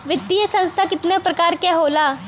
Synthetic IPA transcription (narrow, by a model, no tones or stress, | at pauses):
ʋɪt̪ːijəsɐ̃nst̪ʰakɪt̪nepɾɐkaːɾkeɦoːlaː